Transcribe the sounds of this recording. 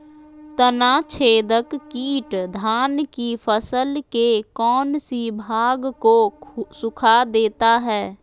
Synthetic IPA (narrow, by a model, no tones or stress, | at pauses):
t̪ənat͡ʃʰeːd̪əkːiːʈd̪ʱaːnkifʰəsəlkekɔːnsibʱaːɡkosʊkʰad̪eːt̪aɦɛː